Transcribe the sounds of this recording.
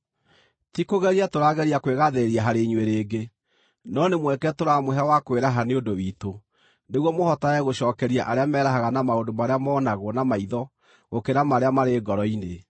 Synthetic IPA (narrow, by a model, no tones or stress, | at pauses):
tikoɣɛɾiatoɾaɣɛɾiakweɣaðeeɾiaɦaɾeɲweɾeːɡe | nɔnemwɛkɛtoɾamoɦɛawakweɾaɦaneondowiːto | neɣwɔmohɔtaɛɣoɕɔːkɛɾiaʔaɾeamɛːɾaɦaɣanamaondomaɾeamɔːnaɣoɔnamaiðɔ | ɣokeɾamaɾeamaɾeːɡɔɾɔine